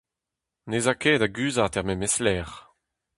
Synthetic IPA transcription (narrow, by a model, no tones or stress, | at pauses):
nezakeːdaɡyːzat̪ɛʁmɛmɛslɛːʁ